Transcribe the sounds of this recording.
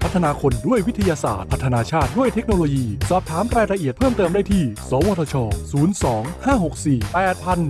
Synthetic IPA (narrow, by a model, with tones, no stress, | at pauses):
pʰa˦˥t̪ʰːa˧aː˧kʰo˧ndu˥˩əjwi˦˥t̪ʰa˧jaː˧sa̰ː˨˩t̪̚pʰa˦˥t̪ʰːnaː˧t͡ɕʰaː˥˩t̪̚du˥˩əjt̪ʰe˦˥k̚noː˧loː˧jiː˧sɔː˨˩p̚t̪ʰaː˩˦mɾaː˧jɾa˧ʔi˨˩ət̪̚pʰɤː˥˩mt̪ɤː˧mdaː˥˩jt̪ʰiː˥˩sɔː˩˦wɔː˧t̪ʰɔː˧t͡ɕʰɔː˧suː˩˦˥nsɔː˩˦ŋhaː˥˩ɦo˨˩k̚siː˨˩pɛː˨˩t̪̚pʰa˧n